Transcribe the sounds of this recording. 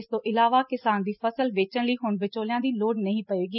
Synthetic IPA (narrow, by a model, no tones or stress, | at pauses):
st̪õːʔɪlaːʋaːkɪsaːnd̪iːpʰəsəlʋeːt͡ʃənləiːɦʊɳʋɪt͡ʃoːlɪjãːd̪iːloːɽnəɦĩːpəeːɡiː